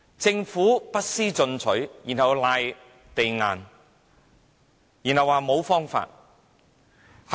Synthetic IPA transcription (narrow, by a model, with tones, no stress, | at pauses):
t͡sɪ˧ŋfuː˨˥pɐ˥t̚siː˥t͡sɵ˧nt͡sʰɵ˨˥ɥjiː˨˩nhɐ˨wlaː˧j | t̪e˨jŋa̰ː˨˩n | jiː˨˩nhɐ˨˧wːaː˨˩mo˨˧wfɔː˥ŋfa̰ː˧t̚ | h